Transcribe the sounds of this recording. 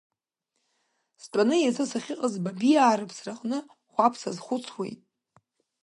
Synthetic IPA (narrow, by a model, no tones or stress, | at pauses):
stʼanɨjat͡sʰɨsaχʲɪqʼazbabiaːɾɨpʰsraqʼnɨ | χʷapʰsazχʷʊt͡sʰwḛjtʼ